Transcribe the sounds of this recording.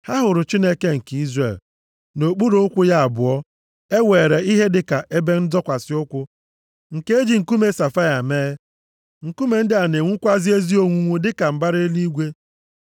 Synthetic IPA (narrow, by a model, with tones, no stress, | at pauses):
ha˦ɦʊ˨ɾʊ˨t͡ʃi˦ne˦ke˦ŋ̩˨ki˦zɾe˨l | no˨k͡pu˦ɾo˦ʊ˦kʷʊ˦ja˦a˨bʊ˨ɔ˦ | e˦weː˨ɾe˨i˦ɦe˦dɪ˦ka˨ʔe˦be˦n̩˦dɔ˦kʷa˨sɪ˦ʊ˦kʷʊ˦ | ŋ̩˨ke˦e˦d͡ʒi˨ŋ̩˨ku˦me˨sa˨fa˦ja˨meː˦ | ŋ̩˨ku˦me˨n̩˦dɪ˦a˨ne˨ŋʷu˦kʷa˦zi˦e˦zi˦o˦ŋʷu˦ŋʷu˦dɪ˦ka˨m̩˨ba˦ɾe˦li˦ɡʷe˦